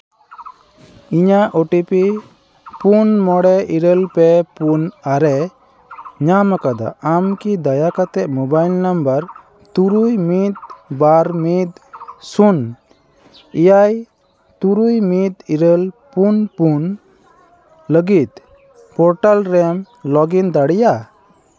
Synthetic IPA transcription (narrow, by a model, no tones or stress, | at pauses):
iɲaʔoʈipi | punmɔɽɛʔiɾəlpɛpunaɾɛ | ɲamakad̪a̰amkid̪ajakat̪ɛʔ̚mɔbajlnambəɾ | t̪uɾujmit̪̚baɾmit̪̚sun | ijaj | t̪uɾujmit̪̚iɾəlpunpun | ləɡit̪̚ | pɔɾʈalɾɛm | lɔɡind̪aɽɛja